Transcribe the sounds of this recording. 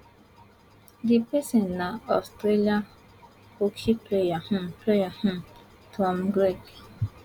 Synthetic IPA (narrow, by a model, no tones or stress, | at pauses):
dɪpɛsennaɔstɾelia | okiplejahʊm̩plejahʊm̩ | tʰɔm̩ɡɾek